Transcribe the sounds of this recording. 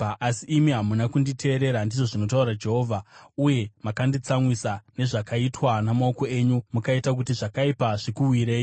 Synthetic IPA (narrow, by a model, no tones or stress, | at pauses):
ʔasiʔːmiɦamunakunditʰe̞ːɾe̞ɾandiʐo̞ʐino̞tauɾad͡ʒe̞ɦo̞ːvʱauje̞makandit͡samwisane̞ʐakaitwanamao̞ko̞e̞ɲumukaitak̬utiʐakaipaʐikuwiɾeːji